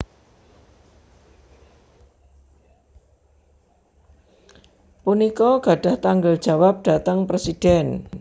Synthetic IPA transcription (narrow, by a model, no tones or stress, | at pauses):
punikɔɡ̥a̤ɖ̥a̤ht̪aŋɡəld̥ʒ̥ä̤wap̚ɖ̥a̤t̪əŋpɾesid̥ɛn